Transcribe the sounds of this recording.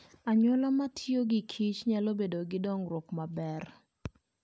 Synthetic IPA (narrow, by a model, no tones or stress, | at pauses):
aɲɔlɔmatʰjoɡɪkʰit͡ʃɲalobedoɡɪdɔŋɾwɔkmabɛr